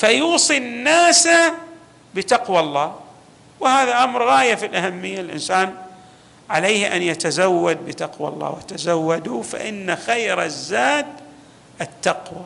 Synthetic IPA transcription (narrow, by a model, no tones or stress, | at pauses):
fajuːsˤinːaːsa | bɪt̪ɑqwalˤːɑː | wɪhaːðaʔamɾɣaːjafilʔahamːɪjːalʔɪ̰nsaːn | ʕalajhʔa̰njat̪azawːad̪̚bɪt̪ɑqwa̰lˤːɑ̰ːwɪt̪azawːad̪ufa̰ʔɪnːaxajɾazːaːd̪ | ʔɪt̪ːɑqwa